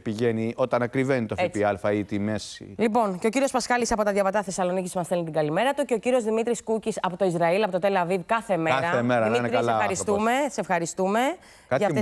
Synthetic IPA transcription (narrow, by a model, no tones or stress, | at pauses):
piʝenio̞t̪ɐnɐkɾivenit̪ofpiɐlfɐit̪imesḭlipo̞nce̞o̞ciɾio̞spɐskɐlisɐpo̞t̪ɐðjɐvɐt̪ɐθe̞sɐlo̞niciszmɐsθelnit̪iɡɐlime̞ɾɐt̪uce̞ociɾio̞zðimit̪ɾiskucisɐpo̞t̪oizɾɐilɐpo̞t̪o̞t̪e̞lɐvivkɐθe̞meɾɐemeɾɐimiɾslɐɐɾist̪ume̞se̞fxɐɾist̪ume̞ | kɐʝɐ